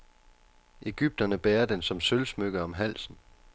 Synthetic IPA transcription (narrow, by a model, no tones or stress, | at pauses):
ʔe̝ɡ̥yb̥̚d̥ɐnəb̥eːɐd̥ensɒ̽msølsmøɡ̥əɒ̽mɦæl̰sn̩